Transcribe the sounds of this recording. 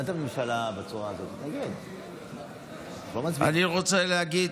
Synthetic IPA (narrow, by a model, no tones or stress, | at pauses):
at̪amnimʃalabet͡suʁaːzot̪naɡid̪ | bomat͡sa̰niʁo̞t͡seleaɡid